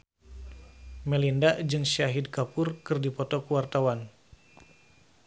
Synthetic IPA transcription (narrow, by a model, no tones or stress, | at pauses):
mɛlindad͡ʒɨŋʃaɦidkapʊrkɨrdipɔt̪ɔkuwart̪awan